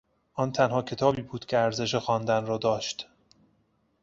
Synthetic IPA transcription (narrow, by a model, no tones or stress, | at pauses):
ʔɒːnt̪ʰænhɒːcʰe̞t̪ʰɒːbiːbuːd̪̥cʰʲeæɾze̞ʃ̬exɒːnd̪ænrɒːd̪ɒːʃt̪